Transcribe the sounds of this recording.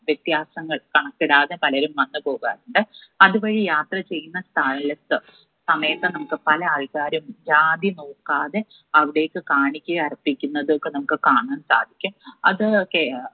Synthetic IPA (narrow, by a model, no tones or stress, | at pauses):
ʋjet̪jaːsɐŋːɐɭkɐɳɐkːiɽaːðepɐlɐɾumʋɐnːɨpo̞ːɣa̰ːruɳɖɨɐðuʋɐɻijaːt̪rɐt͡ɕe̞jːunːɐst̪ʰaːjilɐt̪ːɨ | sɐmɐjɐt̪ːɨnɐmukːɨpɐlɐaːlkaːɾumd͡ʑaːd̪inoːkːaːðe | ɐʋiɽe̞ːkːɨkaːɳikʲːuɐripːikʲːunːɐðɨokːenɐmukːɨkaːɳaːnːɨsa̰ːd̪ʱikʲːumɐ̰ðɨke